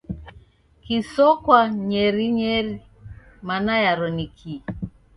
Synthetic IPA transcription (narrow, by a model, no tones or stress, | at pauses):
kisɔkwaɲɛɾiɲɛɾi | manajaɾɔnikʰi